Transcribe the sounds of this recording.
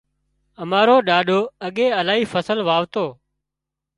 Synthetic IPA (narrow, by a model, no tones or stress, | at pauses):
əmaːɾoːɗaːɗoːəɠẽːəlaːɦiːfəsəlʋaːʋt̪oː